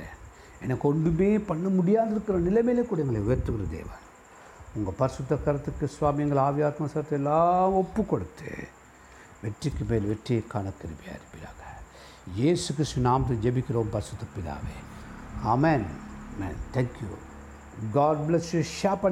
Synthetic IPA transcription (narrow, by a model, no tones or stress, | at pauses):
ɛnːɐkːɔɳɖɯmeːpɐɳːɐmʊɽɪjaːðɪɾɯkːɪɾɐnɪlɐmeleːkuːɽɐɛŋɡɐɭeʊjɐɾt̪ːɯkɾɐd̪ḛːʋɐ̰n | ʊŋɡɐpɐɾɪsɯt̪ːɐkɐɾɐt̪ːɯkːɯsʋaːmɪjɐŋɡɐɭaːʋɪjaːt̪mɐsɐɾɐt̪ːɛlːaːmɔpːɯkːɔɽɯt̪ːɯ̰ | ʋɛʈrikːɯmeːlʋɛʈrijɐkːaːnɐk̪ːɪɾɯpɪja̰ːɾɪpːɪɾa̰ːɣɐ̥ | jeːsuk̬ɪɾɪst̪unaːmɐt̪ːɐd͡ʒɛbɪkːɪɾoːmpɐɾɪsʊt̪ːɐpɪða̰ːʋḛːaːmeːnmḛːnt̪ʰɛŋkjṵ | ɡaːɖ̚blɛsjuʃaːpɐ